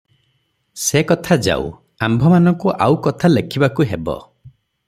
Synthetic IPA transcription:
sekɔt̪ʰad͡ʒa̰w̰ | ambʱɔmanɔ̃ŋkuʔawkɔt̪ʰalekʰibakuɦebɔ̰

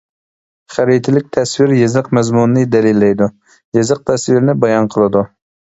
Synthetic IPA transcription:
χæɾit̪ʰɪlɪk̚ʲt̪ʰɛswiɾjezɨqmɛzmunːɨd̪ɛlilːɛjd̪u | jezɨq̚t̪ʰɛswiɾnɪbɑjɑnqʰəlˠɨd̪u

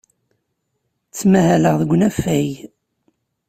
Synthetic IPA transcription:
t͡sːmæhæləʁðəɡʷːnæfæj

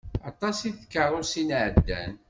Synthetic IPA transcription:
ɑt̪ˤɑsiθkːəɾˤʊɾsinʕəd̪ːæ̰n

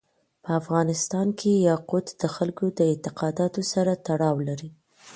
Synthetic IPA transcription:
pəafɣɑnɪst̪ɑnkʰejɑqʊt̪d̪̥əxalkod̪əɪnt̪ɪqɑd̪ɑt̪osaɾat̪aɽɑwlaɾi

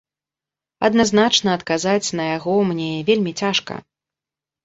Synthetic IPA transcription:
ɐ̰d̪naznat͡ʂnɐːt̪kazat͡sʲn̪ɐjaɣɔmnʲevʲelʲmʲit͡sʲaʂkɐ̰

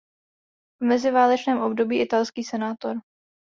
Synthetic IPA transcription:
vmɛzɪvaːlɛt͡ʃnɛːmʔo̞bdo̞biːʔɪt̪alskiːsɛnaːt̪o̞ɾ

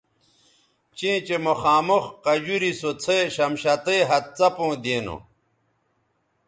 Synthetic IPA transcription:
t͡ɕẽːt͡ɕemoxaːmoxqɐd͡ʑuɾisot͡sʰeɕɐmɕɐt̪eɦɐt̪̚t͡sɐpõːd̪eːno̰

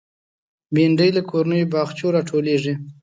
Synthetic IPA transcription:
biɳɖəjlakʰoɾnəjobɑxt͡ʃoɾɑʈʰoleʐi

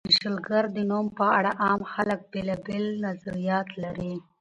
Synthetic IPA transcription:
iʃəlɡaɾd̪ənumpəaɽaʔɑmxalək̚belɑbelnazaɾijɑt̪laɾi

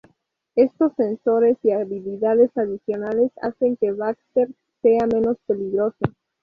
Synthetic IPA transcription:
e̞st̪o̞sːe̞nso̞ɾe̞siaβiliðaðe̞saðisjo̞nale̞sa̰se̞ŋke̞βakst̪eɾ | se̞amẽ̞no̞spe̞liɣɾo̞so

